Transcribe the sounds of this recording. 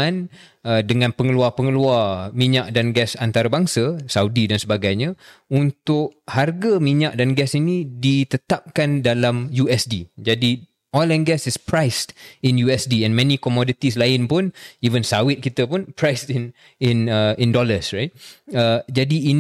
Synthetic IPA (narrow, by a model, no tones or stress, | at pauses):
an | ədəŋãnpəŋəluarpəŋəluarmiɲaʔdanɡɛsant̪aɾabaŋsəsawdidansəbaɡajɲə̃unt̪ʊʔharɡamiɲaʔdanɡɛsinidit̪ət̪ap̚kandalamjuɛsdid͡ʒadi | ɔlɛnɡɛsɪspɾajstɪnjuɛsdiɛ̃nmɛ̃nĩkɔmɔdit̪islaɪnpʊnivənsawɪt̪̚kit̪əpʊnpɾajstin | ɪnəɪndɔləsɹajt̪̚əd͡ʒadiːn